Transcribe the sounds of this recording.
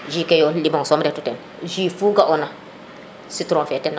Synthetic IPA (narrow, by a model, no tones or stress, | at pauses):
ʒikɛjɔlibaŋsɔmɾɛtutɛn | ʒifuːɡaʔɔna | situɾɔ̃fɛtɛnːa